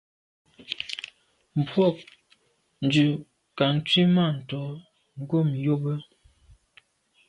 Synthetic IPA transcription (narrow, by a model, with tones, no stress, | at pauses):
m̩˨pwɔ˦˨k̚ | n̩˨dʉ˨ | ka˨ŋ˦t͡sɥi˦ma˦˨n̩˨tɔ˨˦ | ŋ˦ɡo˦˨m˨jo˦bə˦